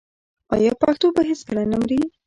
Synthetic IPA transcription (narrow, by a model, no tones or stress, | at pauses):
ɑjɑpaxt̪obaɦeskəlanamɾi